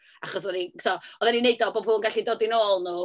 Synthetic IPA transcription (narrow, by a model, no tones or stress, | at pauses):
aχɔsɔðɛnitʰɔɔðɛninejdɔbobhuːnɡaɬidɔdinoːlˠnu